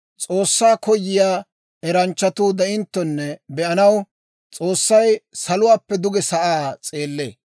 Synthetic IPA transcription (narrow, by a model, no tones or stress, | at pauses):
t͡sʼo̞ːsːaːkɔjːɪjaː | ɛɾɐnt͡ʃːɐt̪uːd̪ɐɪnt̪ːɔnːɛbɛɐnɐw | t͡sʼoːsːɐjsɐlʊwaːpːɛd̪ʊɡɛsɐʔaːt͡sʼeːlːḛː